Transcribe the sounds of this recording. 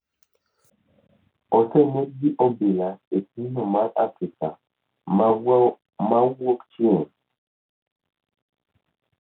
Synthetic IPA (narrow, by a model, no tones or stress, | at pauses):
ɔtɛnek̚ɡiʔobelaek̚inomaɾafɾika | mawokt͡ʃie